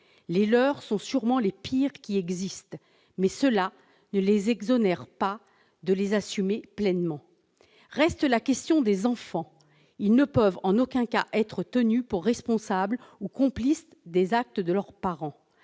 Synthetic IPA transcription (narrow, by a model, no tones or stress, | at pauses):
lelœʁsɔ̃syʁmɑ̃lepiʁkʲiɛɡzist̪ | mɛsəla | nəlezɛɡzɔnɛʁpa | d̪əlezasymeplɛnmɑ̃ | ʁɛst̪lakʲɛst̪jɔ̃d̪ezɑ̃fɑ̃ | ilnəpœvɑ̃nokʲɛ̃ka̰ʔɛt̪χət̪ənypuʁːɛspɔ̃sablukɔ̃plis | d̪ezak̚t̪əd̪əlœʁpaʁɑ̃